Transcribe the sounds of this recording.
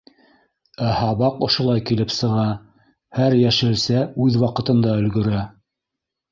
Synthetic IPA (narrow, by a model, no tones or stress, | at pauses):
æhɑβɑqŏʃŏlˠɑjkilɘpsɤ̆ʁɑ | hæɾjæʃɘ̆lsæʉðwɑqɤ̆t̪ɤ̆nd̪ɑɵ̆lɡɵ̆ɾæ